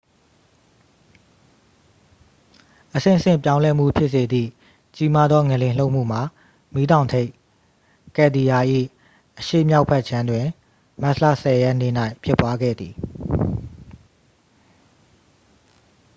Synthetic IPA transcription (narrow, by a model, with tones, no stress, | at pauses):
ʔəsɪ̰̃˦˨əsɪ̰̃˦˨pjã˦ʊ̃lɛ˦m̥ṵ˦˨pʰjɪ˦ʔse˨d̪ðḭ˦˨ | t͡ɕi˦ma˦d̪ðɔ˦ŋɛ˨lɪ̃˨l̥o˦ʊʔm̥ṵ˦˨m̥a˨ | mi˦dã˨ʊ̃ntʰe˦ɪʔ | kɛ˦˨d̪i˨ja˨ʔḭ˦˨ | ʔəʃḛ˦˨mja˦ʊʔpʰɛ˦ʔ̚t͡ɕʰã˦ndwɪ̃˨ | ma˦slä̰˦˨sɛ˨jɛ˦ʔnḛ˦˨na˦ɪpʰjɪ˦˨pːwa˦ɡɛ̰˦˨d̪ði˨